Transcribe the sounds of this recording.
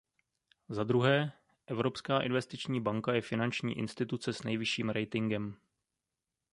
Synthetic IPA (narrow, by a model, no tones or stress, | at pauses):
zad̪ɾuɦɛː | ʔɛvɾo̞pskaːʔɪ̰nvɛst̪ɪt͡ʃɲiːbaŋkajɛfɪnant͡ʃɲḭːʔɪ̰nst̪ɪt̪ut͡sɛsnɛjvɪʃiːmɾɛjt̪ɪŋɡɛm